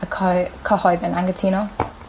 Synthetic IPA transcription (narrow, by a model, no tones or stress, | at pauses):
əkʰkʰɔhɔjðənaŋɡətʰiːno